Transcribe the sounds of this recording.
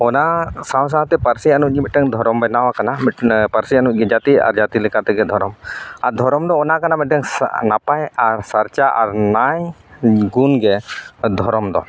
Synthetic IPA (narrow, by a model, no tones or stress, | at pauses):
ɔnasãw̃s̬aɦt̪ɛpaɾsianut̚ˀɲimit̪̚ʈɛŋd̪ʱɔɾɔmbɛnawakanampaɾsianuc̚ɡɛd͡ʒat̪ia̰ɾd͡ʒat̪ilɛkat̪ɛɡɛd̪ʱɔɾɔmaɾd̪ʱɔɾɔmd̪ɔːnakanamɛʈɛŋnapajaɾsaɾt͡ʃaʔa̰ɾnajɡunɡɛd̪ʱɔɾɔmd̪ɔ